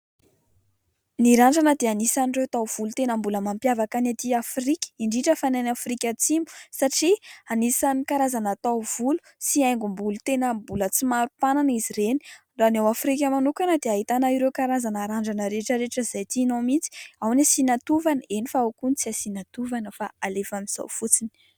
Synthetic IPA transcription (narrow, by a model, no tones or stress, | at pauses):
niɾaɳɖ͡ʐanəd̪eanisanirewt̪awv̥ulut̪enəmbuləmampjavakanat̪iafɾikʲə̥iɳɖ͡ʐiʈ͡ʂəfananafrikʲat͡simu̥saʈ͡ʂianisanikaɾazanat̪awv̥ulu̥ | siajŋɡumbulut̪enəmbulət͡simaɾupananiziɾeni̥ | ranawafɾik̬ʲəmanukanəd̪eaɦit̪anaiɾewkaɾazanaɾaɳɖ͡ʐanəɾeʈ͡ʂəɾeʈ͡ʂəizajt̪iːnowmint͡si̥awnasinat̪uvanəenifaawkunit͡siasinat̪uvanəfaalefamiz̥a̰wfut͡sini̥